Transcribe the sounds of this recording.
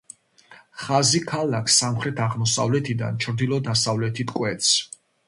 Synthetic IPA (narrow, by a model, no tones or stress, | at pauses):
χazikʰalakʰsamχɾɛt̪ʰaʁmɔsa̰vlɛt̪ʰid̪a̰nt͡ʃʰɾd̪ilˠɔd̪asavlɛt̪ʰit̪ʰkʼwɛt̪sʰ